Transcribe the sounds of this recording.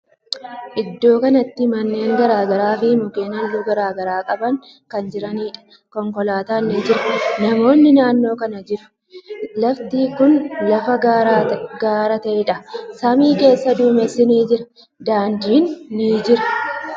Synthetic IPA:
ʔɪd̪ːo̞ːkɐnɐt̪ːɪmɐnːe̞ːŋɡɐɾaːɡɐɾaːfɪmʊkʼe̞ːnɐlːuːɡɐɾaːɡɐɾaːkʼɐbɐŋ | kɐnd͡ʒɪɾɐniːᶑɐ̥ | kɔŋkɔlaːt̪aːnːiːd͡ʒɪɾɐ̥nɐmo̞ːnːɪnaːnːo̞ːkɐnɐd͡ʒɪɾʊ̥ | lɐft̪iːkʊnlɐfɐɡaɾɡaːɾɐt̪ɐʔɪᶑɐsɐmiːke̞ːsːɐd̪uːmɛsːɪniːd͡ʒɪɾɐ̥ | d̪aːnd̪iːnːiːd͡ʒɪɾɐ̥

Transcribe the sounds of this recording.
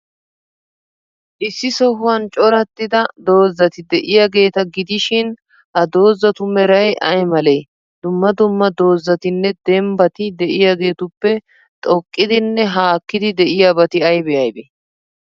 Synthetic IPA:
ʔɪsːɪsɔɦʊwɐnt͡ʃʼɔɾɐt̪ːɪd̪ɐd̪o̞ːzːɐt̪ɪd̪ɛʔɪjaɡe̞ːt̪ɐɡɪd̪ɪʃɪn | hɐd̪o̞ːzːɐt̪ʊmɛɾɐjʔɐjmɐlej | d̪̥ʊmːɐd̪ʊmːɐd̪o̞ːzːɐt̪ɪnːɛd̪ɛmbɐt̪ɪd̪ɛʔɪjaɡe̞ːt̪ʊpːɛ | t̪ʼɔkʼːɪd̪ɪnːɛɦaːkːɪd̪ɪd̪ɛʔɪjabɐt̪ɪɐjbɛjɐjbɛ

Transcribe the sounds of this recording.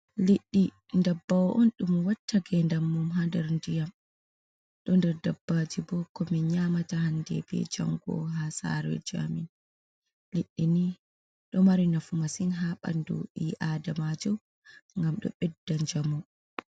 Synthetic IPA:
liɗːi | ndabːawɔʔɔnɗumwatʰːaɡɛndamːumɦandɛɾndijam | ɗɔndɛɾdabːad͡ʒibɔkɔmiɲaːmatahandɛ̰bɛ̰d͡ʒa̰ŋɡɔ̰ɦasa̰ɾɛ̰d͡ʒa̰min | liɗːini | ɗɔmaɾinafumasinɦaɓa̰ndṵʔiʔaːdamad͡ʒɔ | ŋɡamɗɔ̰ɓɛdːaɲd͡ʒamɔ

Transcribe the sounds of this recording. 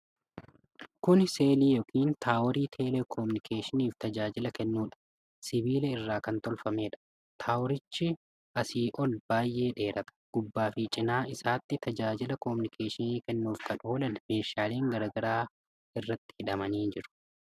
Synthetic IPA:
kʊnse̞ːliːjɔkʰiːnt̪ʰaːwɔɾiːt̪ʰe̞ːlekʰɔmʊnɪkʰeːʃɪniːft̪ɐd͡ʒaːd͡ʒɪlɐkɛnːuːᶑɐ̥ | sɪbiːlɛɪrːaːkɐnt̪ɔlfɐme̞ːᶑɐ̥ | t̪ʰaːwɔɾɪt͡ʃːɪ | ʔɐsiːʔɔlb̥aːjʔe̞ːᶑe̞ːɾɐt̪ɐ̥ɡ̥ʊbːaːfɪt͡ʃʼɪnaːɪsaːt̪ːɪt̪ɐd͡ʒaːd͡ʒɪlɐkɔmʊnɪkʰeːʃɪniːkɛnːuːfkɐno̞ːlɐnme̞ːʃaːleːŋɡɐɾɐːɡɐɾaː | ɪrːɐt̪ːɪ̥hɪᶑɐmɐniːd͡ʒɪɾʊ̥

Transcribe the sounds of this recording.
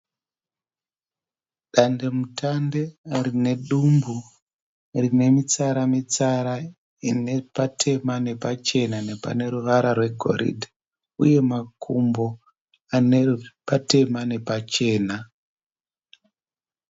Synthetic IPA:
ɗandemutande̞rine̞ɗumbu | rine̞mit͡saɾamit͡saɾa | inepatʰe̞mane̞pat͡ʃe̞nane̞pa̰ne̞ɾuʋaɾarwe̞ɡʱo̞̰ɾḭdʱa | ṵje̞makʰumbo̞ | ane̞pate̞mane̞pat͡ʃe̞ːna

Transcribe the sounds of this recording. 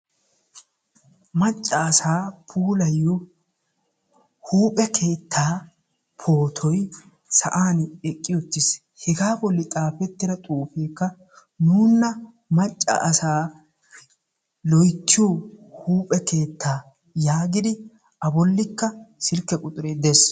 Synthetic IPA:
mɐt͡ʃʼːɐːsaːpʰuːlɐjːɔ | huːpʼɛkʰe̞ːt̪ʰːaː | pʰo̞ːt̪ʰɔj | sɐʔaːnɛkʼːɪjɔt̪ːɪs | hɛɡaːbɔlːɪt̪ʼaːfɛt̪ːɪɾɐt̪ʼuːfe̞ːkːɐ | nuːnːɐ | mɐt͡ʃʼːɐ̰ʔɐsaː | lɔjt̪ːɪjohuːpʼɛke̞ːt̪ːaː | jaːɡɪd̪ɪ | ɐbɔlːɪkːɐsɪlkːɛkʼʊt̪ʼʊɾeːd̪es

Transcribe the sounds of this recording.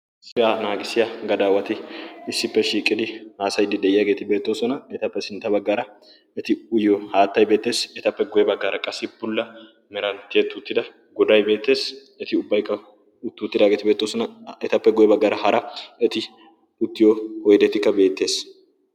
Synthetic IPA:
sɪjaːnaːɡɪsɪjaɡɐd̪aːwɐt̪ɪɪsːɪpːɛʃiːkʼːɪd̪ɪhaːsɐjd̪ɪd̪ɛɪjaːɡe̞ːt̪ɪbe̞ːt̪ːo̞ːsɔnɐɛt̪ɐpːɛsɪnt̪ːɐbɐɡːɐɾɐ | ɛt̪ɪʊjjɔhaːt̪ːɐjbeːt̪ːe̞ːsɛt̪ɐpːɛɡɔjɛbɐɡːɐːɾɐkʼːɐsːɪbʊlːɐ | mɛɾɐnt̪ːɪɛt̪ːʊt̪ːɪd̪ɐ | ɡɔd̪ɐjbe̞ːt̪ːe̞ːs | ɛt̪ɪʊbːɐjkːɐ | ʊt̪ːʊːt̪ːɪd̪aːɡeːt̪ɪbe̞ːt̪ːoːsɔnɐɛt̪ɐpːɛɡɔjɛbɐɡːɐːɾɐhɐɾɐɛt̪ɪ | ʊt̪ːɪjohɔjd̪ɛt̪ɪkːɐbe̞ːt̪ːe̞ːs

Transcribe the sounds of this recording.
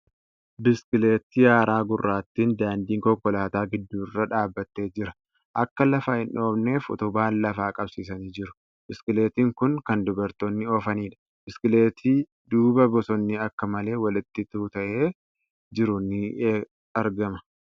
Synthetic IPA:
bɪskɪle̞ːt̪ːɪjaːɾaːɡʊrːaːt̪ːiːnd̪aːnd̪iːŋkɔkːɔlaːt̪aːɡɪd̪ːuːrːɐᶑaːbːɐt̪ːe̞ːd͡ʒɪɾɐ | ʔɐkːɐlɐfaːhɪnᶑo̞ːbne̞ːfɔ̰t̪ʊbaːnlɐfaːkʼɐbsiːs̬ɐniːd͡ʒɪɾʊ̥ | bɪskɪle̞ːt̪iːŋkʊŋkɐnd̪ʊbɐɾt̪oːnːɪɔːfɐniːᶑɐ̥ | bɪskɪle̞ːt̪ʰi | d̪uːbɐbɔsɔnːɪɐkːɐmɐle̞ːwɐlɪt̪ːɪt̪uːt̪ɐʔe̞ː | d͡ʒɪɾʊnɪ | ɐɾɡɐmɐ

